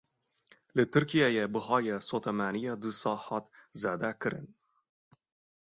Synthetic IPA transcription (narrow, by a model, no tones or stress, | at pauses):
lɨt̪ʰɨɾkijaːjebɨhɑːjɛsoːt̪ʰɛmæːnijɑːd̪ɨsɑːhɑːt̪zeːd̪ækɨɾɨ̰n